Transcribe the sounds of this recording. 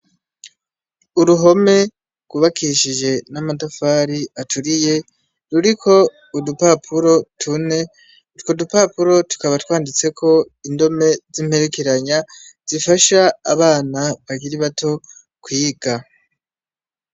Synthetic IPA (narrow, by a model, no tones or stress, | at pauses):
uɾuɦo̞me̞ | ɡ̥uβakʰiʃiʒe̞namadofaːɾiatʰuɾije̞ | ɾuɾikʰo̞ | udupapʰuɾo̞tʰune̞ | kodupapuɾo̞tu̥kaβatwaːndit͡se̞kʰo̞ | indo̞me̞zim̥he̞ɾe̞ke̞ɾaɲaz̥ifaʃaːβaːnaβaɟiɾiβatʰo̞ | kwiːɡ̥a